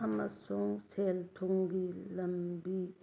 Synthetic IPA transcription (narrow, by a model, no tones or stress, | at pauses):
ɐmɐsuŋseːlt̪ʰuŋɡilɐmbi